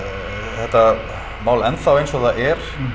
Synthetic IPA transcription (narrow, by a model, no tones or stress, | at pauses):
θɛht̪ːa | mawlɛnθawejnsɔɣðaʔɛɾ̥